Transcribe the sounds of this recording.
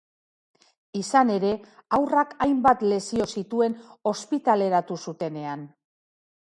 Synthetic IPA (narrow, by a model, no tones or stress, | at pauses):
isane̞ɾe̞awrakajmbat̪le̞sio̞sit̪ue̞no̞spit̪ale̞ɾat̪usut̪e̞ne̞an